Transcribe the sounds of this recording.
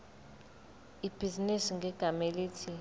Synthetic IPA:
ib̥ʱizinisiŋɡʱɛɡ̥ʱameliːtʰi

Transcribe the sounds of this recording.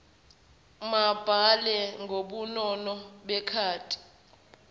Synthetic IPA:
mab̥ʱalɛŋʱoɓunɔnɔɓɛkʰaːtʼi̥

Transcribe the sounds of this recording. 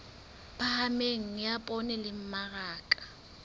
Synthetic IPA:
pahameŋ̩ɪjapʼɔnɪlɪm̩maɣaːkʼḁ

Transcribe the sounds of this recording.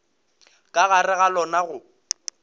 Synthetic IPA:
kʼaɣarɪɣalɔnaɣʊ

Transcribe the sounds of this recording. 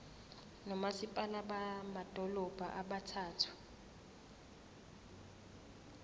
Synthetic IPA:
nɔmasipʼalaɓamad̥ʱɔlɔb̥ʱa̰ʔaɓatʰaːtʰu̥

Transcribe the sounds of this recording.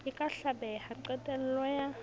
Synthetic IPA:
ɪkʼaɬabɛhaǀɛtʼɛn̩lɔja

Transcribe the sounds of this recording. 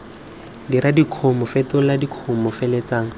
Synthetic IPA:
diɾadikʰʊmɔfetʊladikʰʊmɔfelet͡saːŋ̩

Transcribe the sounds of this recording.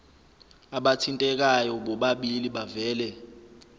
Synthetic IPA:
aɓatʰintʼɛk̬ʼajɔɓɔɓaɓiliɓavɛːlɛ

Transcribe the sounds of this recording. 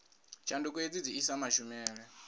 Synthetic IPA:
t͡ʃʰandɔk̬ʼued͡zid͡ziisamaʃumɛːɺɛ

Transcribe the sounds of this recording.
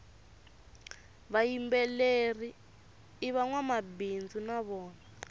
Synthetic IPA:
βajimbɛleriː | βaŋwamabind͡zunaβɔːna

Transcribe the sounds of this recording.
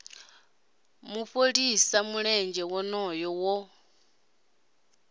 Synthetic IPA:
muɸoɺisamuɺɛnd͡ʒɛwɔnɔjɔwɔ

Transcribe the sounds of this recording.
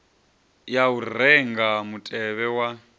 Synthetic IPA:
jaurɛŋɡamutʼɛβɛwa

